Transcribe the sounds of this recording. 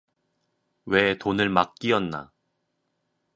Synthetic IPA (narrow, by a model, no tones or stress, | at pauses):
we̞tonɯɭmak̚k͈iʌnːa̰